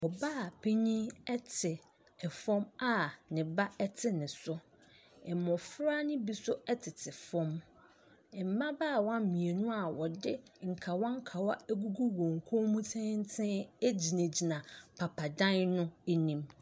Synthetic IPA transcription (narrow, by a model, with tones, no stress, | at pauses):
wɔ˨baː˦˨pʰe˦ɲĩ˦ɛ˦tʰɪ˨ | ɛ˨fɔ̃˦ma˨nɪ̃˨ba˦ɛ˦tʰɪ˦nɪ̃˨sʊ˦ | ɛ˨mɔ̃˨fɾa˦nʊ̃˦bi˦sʊ˦ɛ˦tʰɪ˨tʰɪ˨fɔ̃˦m | ɛ˨m̩˨mã˦baː˦˨wɔ˦˨mĩ˨e˨nʊ̃˦a˨wɔ˨dɪ˦ŋ̩˨kʰa˨wɔ˦ŋ̩˦kʰa˨wa˦æ˦ɡu˦ɡu˦wõ˨ŋ˨kʰõ˦mũ˦tʰɛ̃˦n̩˦tʰɪ̃˦æ˦d͡ʑi˨næ̃˨d͡ʑi˨nã˨pʰa˨pʰa˨dã˦nnʊ̃˦e˦nĩ˦m